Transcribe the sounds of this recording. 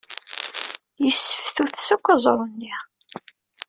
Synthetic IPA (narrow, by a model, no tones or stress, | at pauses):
jəsːə̥fθuθsækʷːɑzˤɾˤənːi